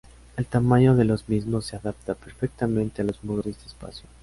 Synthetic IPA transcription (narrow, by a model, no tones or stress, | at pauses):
elt̪amaɲo̞ðe̞lo̞zmizmosːeaðap̚t̪apeɾfek̚t̪amẽnt̪ealo̞zmoðoesd̪espa̰sjo